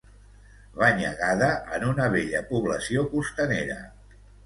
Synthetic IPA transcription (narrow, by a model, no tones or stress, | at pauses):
βaɲəɣaðəʔːnunəβ̞eʎəpuβləsiokust̪əneɾə̰